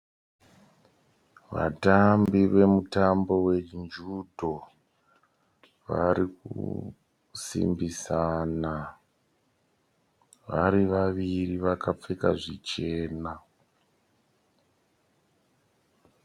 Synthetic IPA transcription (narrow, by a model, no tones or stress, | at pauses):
ʋa̰tambiʋe̞mutambo̞we̞nd͡ʒudʱo | ʋa̰ɾikṵ | sḭmbisana | ʋa̰ɾiʋaʋiriʋakap͡fekaʐit͡ʃe̞ːna